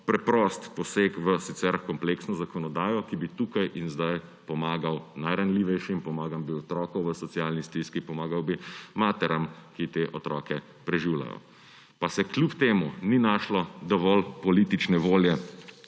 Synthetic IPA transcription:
pɾɛpɾɔst̪pɔseːkʋəsit̪sɛɾkɔmpleːksnɔzakɔnɔd̪aːjɔkibit̪ukajʔinzd̪aj | pɔmaːɡawnajɾanliːʋɛjʃimpɔmaːɡambiɔt̪ɾɔːkɔwʋəsɔt̪sjalnist̪iskipɔmaːɡawbimaːt̪ɛɾamkit̪eːʔɔt̪ɾɔːkɛ | pɾɛʒiwla̰jɔ̰ | pasɛklʲjupt̪eːmuninaʃlɔd̪ɔʋɔlpɔliːt̪it͡ʃnɛʋoːljɛ

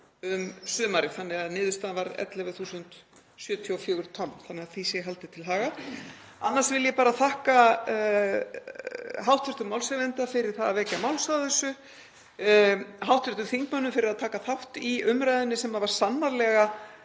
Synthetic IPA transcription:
ʏmsʏːmaɾɪθanːɪɣaðnɪːðʏst̪aːðvaɾɛ̰t̪lɛvɛθuːsʏnt̪ | sjʏːt̪ʰiɔfjʏːɣʏɾt̪ʰɔnθanːɛɣaθisɛɦalt̪ɪt̪ʰɪlɦaːɣa | anːaɾsvɪljɛpaːɾaθahka | ɦawht̪vɛɾ̥t̪ʏmawlsɛvɛnt̪afɪɾɪɾ̥θaðavɛːcamawlst̪aθɛsːʏ | ɦawht̪vʏɾt̪ʏmθiŋkmœnːʏmfɪɾɪɾaðt̪ʰaːkaθawht̪iʏmɾajðʏnːɪsɛmaðvaɾ̥sanːaɾlɛɣa

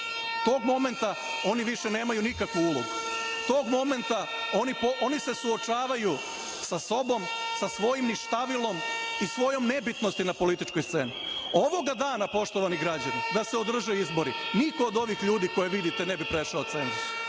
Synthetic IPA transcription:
t̪o̞ːɡmo̞me̞nt̪a | o̞niʋiʃene̞ːmajunikakʋuulˠoɡut̪o̞ːɡmo̞me̞nt̪a | onipoʔo̞nise̞suo̞t͡ʃaːʋaju | saso̞bo̞msasʋo̞jimniʃt̪aʋilˠo̞misʋo̞jo̞mne̞bit̪nost̪inapo̞lit̪it͡ʃkojst̪se̞̰ːnio̞ʋo̞ɡad̪aːnapo̞ʃt̪o̞ʋaniɡɾad͡ʑanid̪aseod̪r̩ʒeizbo̞ɾiniko̞ːd̪o̞ʋixʎuːd̪iːko̞jeʋid̪it̪enebipɾeʃaot̪senzus

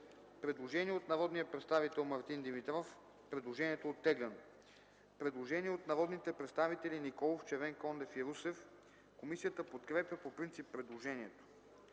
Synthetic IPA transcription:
pɾɛd̪lˠoʒɛniɛot̪nɐɾɔd̪nijəpɾɛt̪st̪avit̪ɛlˠmɐɾt̪ind̪imit̪ɾɔf | pɾɛd̪lˠoʒɛniɛt̪oːt̪ːɛɡlʲɛn | pɾɛd̪lˠoʒɛniɛot̪nɐɾɔd̪nit̪ɛpɾɛt̪st̪avit̪ɛlinikɔlˠoft͡ʃɛvɛŋkɔnd̪ɛfiɾusɛf | komisijət̪əpot̪kɾɛpʲjəpopɾint̪sipːɾɛd̪lˠoʒɛniɛt̪o̥

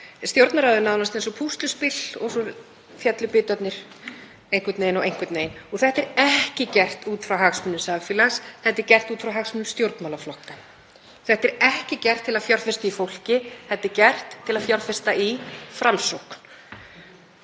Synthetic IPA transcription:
st̪jowɾt̪naɾawðɪnaðwnast̪ensɔpʰust̪lʏspɪlɔɣsɔ | fjɛt̪lʏpɪːt̪œt̪nɪɾ̥ | ejŋkvʏt̪nejnɔɣejŋ̥kvʏt̪neːjnɔɣθɛht̪ɛɾɛhcɪcɛr̥t̪uːt̪fɾawɦaɣsmʏnːʏmsavfilasθɛt̪ːɪɾcɛr̥t̪uːt̪fɾawɦaɣsmʏnʏmst̪jowɾt̪nmaːlaflɔhk̪a | θɛht̪ɛɾɛhcɪcɛr̥t̪ʰːɪlaðfjɔr̥fɪst̪aifowl̥cɪθɛht̪ːɪɾcɛr̥t̪ʰːɪlaðfjɔɾ̥fɪ̥st̪aʔifɾamsowkn̥

